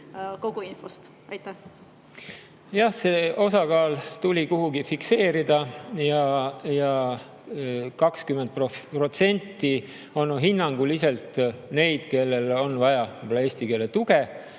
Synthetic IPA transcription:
ko̞ɡ̥uinfost̪ | ɑjt̪ːˑæh | jɑhseo̞sɑkɑːlt̪ulʲikuɦuɡifikse̞ːɾid̪̥ɑjɑjɑ | kɑkskymed̪̚propro̞t̪se̞nʲt̪ːi | o̞nːɦinːɑŋɡ̥ulise̞lt̪ne̞jd̪̥ke̞lːe̞lo̞nːvɑjɑepolːɑeːsʲt̪ike̞lːet̪uɡ̥e

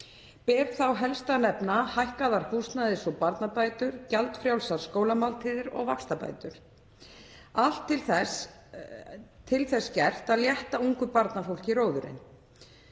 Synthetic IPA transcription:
pɛːɾθawɦɛlst̪anɛpnahajhkaðaɾ̥hust̪naðɪsɔpaɾt̪napaːjt̪ʏɾ̥calt̪fɾjawlsaɾ̥skoːwlamawlt̪ʰiðɪɾɔ̰ɣvakst̪apa̰jt̪ʏɾ̥ | al̥t̪ʰːɪlθɛ | t̪ʰːɪlθɛsːcɛr̥t̪aðljɛht̪auŋkʏpaɾt̪nafowl̥ciɾoːwðʏɾɪ̰n

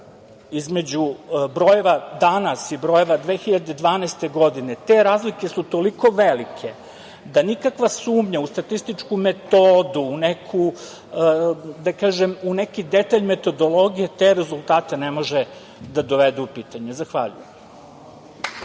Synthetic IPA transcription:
izme̞d͡ʑubɾoje̞ʋad̪anasibɾo̞jeʋad̪ʋeːxiʎad̪ed̪ʋaːnajst̪e̞ɡo̞d̪ine̞t̪e̞ɾaːzlike̞sut̪o̞liko̞ʋelikʰe̞ | d̪anikakʋasuːmɲaust̪at̪ist̪it͡ʃkume̞t̪oːd̪uːnekʰu | d̪akaːʒemune̞kid̪e̞t̪aʎme̞t̪o̞d̪o̞lˠo̞ɡijet̪e̞ɾezulˠt̪aːt̪e̞ne̞mo̞ʒe | d̪ad̪o̞ʋed̪uupiːt̪aɲezaxʋa̰ʎṵjem

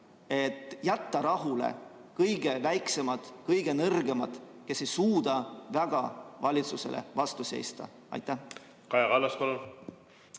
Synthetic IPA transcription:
e̞t̪ːˑjæt̪ːɑɾɑɦulḛkɤjɡ̥e̞væjkse̞mɑd̪̥kɤjɡ̥e̞nɤrɡe̞mɑ̰d̪̥ke̞sejsuːd̪ɑvæɡ̥ɑvɑlʲit̪suse̞̰lḛvɑst̪use̞̰jst̪ɑ̰ | ɑ̰jt̪ːˑæ | kɑjɑkɑlːɑskolul

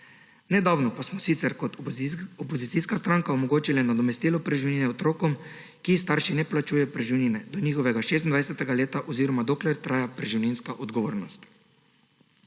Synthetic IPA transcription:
nɛd̪awnɔpasmɔsit̪sɛɾkɔt̪ɔpɔzit̪siskast̪ɾaːŋkaɔmɔɡoːt͡ʃilanad̪ɔmɛst̪iːlɔpɾɛʒiwninɛɔt̪ɾoːkɔm | kist̪aɾʃinɛplat͡ʃuːjɛpɾɛʒuninɛd̪ɔniːxɔʋɛɡaʃeːs̬t̪nd̪ajsɛt̪ɛɡaleːt̪aʔɔziːɾɔmad̪oːklɛɾt̪ɾaːjapɾɛʒiwninskaʔɔd̪ɡɔʋoːɾnɔst̪

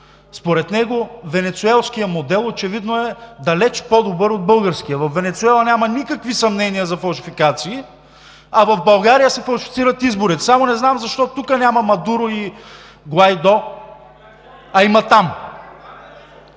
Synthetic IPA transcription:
spoɾɛt̪nɛɡovɛnɛt̪suɛlˠskijəmod̪ɛlˠot͡ʃɛvid̪noɛd̪ɐlɛt͡ʃpod̪obɤɾod̪̚bɤlˠɡəɾsk̟ijəvɐfːɛnɛt̪suɛlˠɐnʲamɐnikəkvisɐmnɛnijəzɐfɐlˠʃifikat̪siː | ɐvɐvbɐlˠɡaɾijəsɛfɐlˠʃi̥fit̪siɾət̪izboɾit̪ɛsamonɛznamzɐʃt̪ɔt̪ukənʲamɐmɐd̪uɾʊi | ɡlˠajd̪ɔ | ɐimɐt̪am

